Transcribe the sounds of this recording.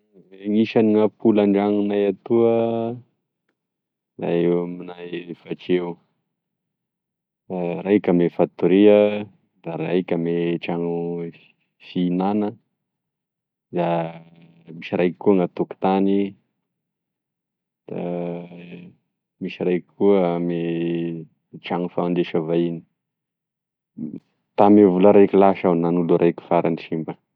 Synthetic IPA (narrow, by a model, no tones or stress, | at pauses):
eŋiʃaniŋapulaɳɖ͡ʐaŋunajat̪uə | za̰ewaminajfat͡ʃeu | arajkʲamefat̪uɾiə | d̪̥aɾajkʲameʈ͡ʂaŋu | finanə | d̪a | miʃiɾajki̥kːuŋat̪uku̥t̪ani | d̪̥a | misirajki̥kuəme | ʈ͡ʂaŋufand̪eʃavaini̥ | t̪amevuləɾajkʲilaʃawnanuluɾʔajkʲu̥faɾʔaniʃimbə